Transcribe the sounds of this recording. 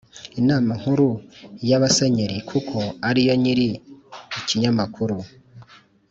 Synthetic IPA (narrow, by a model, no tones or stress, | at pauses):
inaːmaŋ̥huɾujaβaseɲeɾikʰukʰo̞aɾijo̞ɲiɾiiciɲamakuɾu